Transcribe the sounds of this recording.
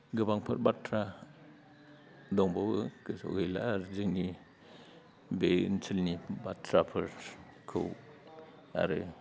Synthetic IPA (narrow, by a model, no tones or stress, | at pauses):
ɡɯbaŋpʰɯɾbatʰɾa | dɔŋbawɯkɯsɔ̰ɡejla̰ɾzɯŋi | bensʰilnibatʰɾapʰɯɾ | kʰɯ̰w | a̰ɾɯ